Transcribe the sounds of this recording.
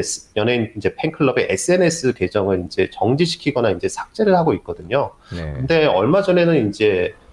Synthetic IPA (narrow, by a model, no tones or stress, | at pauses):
mjʌnenind͡ʑe̞pʰe̞ŋkʰɯɭːʌbe̞ʔes͈ʰɯe̞ne̞s͈ɯke̞d͡ʑʌŋɯɾind͡ʑe̞t͡ɕʌŋd͡ʑiɕʰi̥kʰiɡʌnaind͡ʑe̞sʰḁk̚t͡ɕ͈e̞ɾɯɭhaɡoit̚k͈ʌdɯɲokɯnde̞ʌɭmad͡ʑʌne̞nɯnind͡ʑe̞